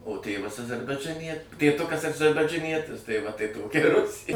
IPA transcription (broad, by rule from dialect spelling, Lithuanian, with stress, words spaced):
oː ˈtʲeːʋɐs ɐzɐrbɐɪd͡ʒɐˈnʲiɛ tʲeːˈtʊkɐs ɐd͡ʒɐrbɐd͡ʒɐˈnʲiɛtʲɪs tɐɪ ʋɐ tɐɪ ˈtoːkʲɛ ɪ ˈrʊsʲeː